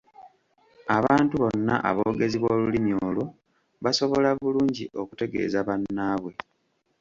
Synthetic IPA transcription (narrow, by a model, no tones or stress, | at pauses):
aβaːntuβo̞nːa̰ʔa̰βo̞ːɡe̞ziβwoːlulimjoːlo̞ | βaso̞βo̞laβuluːɲɟiʔo̞ku̥te̞ɡe̞̰ːzaβanːaːβwe̞